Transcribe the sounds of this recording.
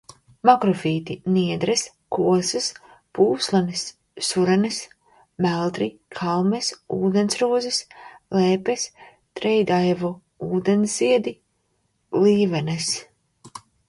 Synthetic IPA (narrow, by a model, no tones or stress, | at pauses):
makɾɔfiːt̪iniɛd̪ɾɛs | kuɔsɨs | puːslˠanɨsː | uɾɛnɨs | mælˠt̪ɾikʰalˠmɛsuːd̪ensɾuɔzislɛːpɛs | t̪ɾɛjd̪ajvu | uːd̪ɛnsziɛd̪i | liːvɛnɛs